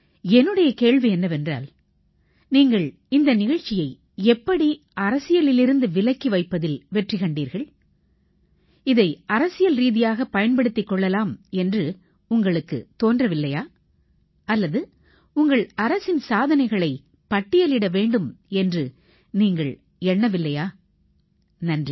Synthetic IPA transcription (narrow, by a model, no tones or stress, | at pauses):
ɛnːɯɽɐjɐkeːɻʋiɛnːɐʋɛndra̰ːl | niːŋɡɐɭ | ɪnd̪ɐnɪɣɐɻt͡ʃːɪjɐɪ | ɛpːɐɽi | ʔɐɾɐsɪjɐlɪlɪɾɯnd̪ɯʋɪlɐɪkːiʋɐɪpːɐðɪlʋɛʈrɪkɐɳɖiːɾɣɐɭ | ɪðɐɪɐɾɐsɪjɐlɾiːðɪjaːɣɐpɐjɐnpɐɽɯt̪ːɪkːɔɭːɐlaːmɛndrɯ | ʊŋɡɐɭɯkːɯ̰t̪oːndrɐʋɪlːɐjaː | ɐlːɐðɯ | ʊŋɡɐɭɐɾɐsɪnsaːðɐnɐɪɣɐɭɐɪ | pɐʈːɪjɐlɪɽɐʋeːɳɖɯmɛndrɯ | niːŋɡɐɭ | ɛɳːɐʋɪlːɐjaː | nɐndri